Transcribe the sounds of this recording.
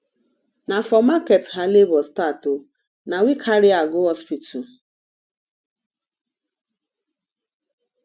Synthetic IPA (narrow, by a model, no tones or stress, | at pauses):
nafɔmaketɦalebɔstatʊ | nawikʰaɾɪaɡʊɦɔspitɔ